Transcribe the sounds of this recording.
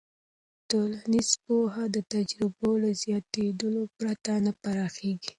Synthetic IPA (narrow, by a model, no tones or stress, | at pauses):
t̪olanizpoɦad̪ət̪ad͡ʒɾɪbolazjɑt̪ed̪əlopɾat̪anapaɾɑxeɡi